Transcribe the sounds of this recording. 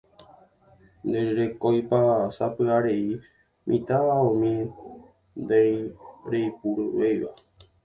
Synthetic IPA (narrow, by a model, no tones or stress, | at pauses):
nd̪eɾɾe̞kojpasapɨaɾe̞i | mʔḭ̃t̪aaõmĩ | nd̪ejɾejpuɾɨʋejʋa̰